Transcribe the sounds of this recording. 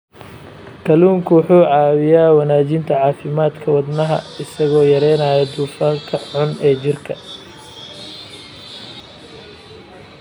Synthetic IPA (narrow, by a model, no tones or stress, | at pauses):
kʰɐluːŋkʰʊwħuːʕɑːwɪjaːwɐnaːt͡ʃɪnt̪ʰɐʕɑːfɪmaːd̪kʰɐwɐd̪nɐɦɐ̰ɪsɐɣɔːjɐɾɛjnaːjɐd̪uːfaːŋkʰɐħʊnɛːt͡ʃɪrkʰɐ